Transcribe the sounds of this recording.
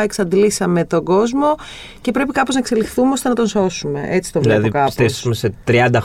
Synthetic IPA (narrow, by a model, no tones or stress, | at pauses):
eksɐnd̪lisɐme̞t̪o̞ɡo̞zmo̞ | ce̞pɾe̞pikɐpo̞znɐkse̞lixθumeo̞st̪e̞nɐt̪o̞nso̞sume̞̰ʔe̞t͡si̥t̪ovlɐðokɐsesmeset̪ɾiɐnd̪ɐ